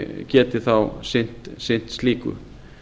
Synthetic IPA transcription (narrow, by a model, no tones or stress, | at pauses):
cɛːt̪ɪθawsɪn̥t̪sen̥t̪st̪iːkʏ̰